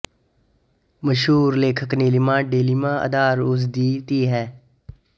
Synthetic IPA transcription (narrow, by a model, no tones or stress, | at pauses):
məʃɦuːɾleːkʰəkniːlimãːɖeːlimãːə̰d̪aːɾʊzd̪iːt̪iːɦɛː